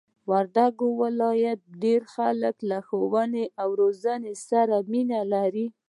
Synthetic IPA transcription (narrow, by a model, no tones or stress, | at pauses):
waɾd̪aɡowɪlɑjat̪̚ɖeɾxaləklaxowəneʔawɾozanesaɾaminalaɾi